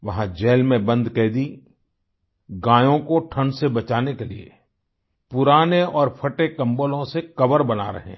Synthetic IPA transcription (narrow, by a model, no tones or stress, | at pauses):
ʋɐɦãd͡ʒɛːlmẽbɐ̃nd̪kɛːd̪i | ɡãːjõkoʈʰə̃ɳɖsebɐt͡ʃaːnekelḭḛ | pʊɾaːneɔːɾpʰɐʈekɐ̃mbolõsekɐʋəɾbɐna̰ɾɐ̰ɦḛ̃